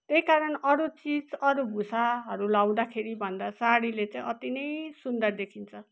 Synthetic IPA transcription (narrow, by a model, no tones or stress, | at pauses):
t̪eikaɾʌnʌɾut͡sid͡zʌɾubʱusaɦʌɾulaw̃d̪akʰeɾibʱʌnd̪asaɽilet͡saĩʌt̪inʌjsund̪ʌrd̪ekʰint͡sʰʌ